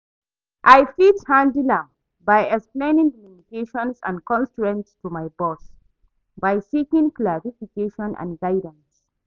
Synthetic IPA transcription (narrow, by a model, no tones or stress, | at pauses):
ʔajfithãndilãm | bajɛksplẽnĩŋdəminikeʃɔ̃nsã̰nkɔ̃nstɹɛ̃ntstumajbɔs | bajsikĩŋklaɹifikeʃɔ̃nʔã̰nɡajdə̃ns